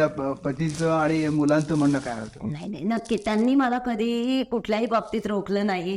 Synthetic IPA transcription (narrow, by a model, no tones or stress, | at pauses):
apət̪it͡səaɽ̃imulãnt̪əm̤əɳləkajɦot̪ənaɦinainəkːit̪janːiːməlakəd̪ʱikuʈʰljaɦiːbab̚t̪iːt̪ɾokləːnaɦi